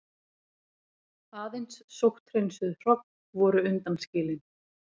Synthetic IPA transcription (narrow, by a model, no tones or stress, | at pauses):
aːðejnsːowht̪ɾejnsʏðr̥ɔk̚n | vɔːɾʏʏnt̪anscɪːlɪn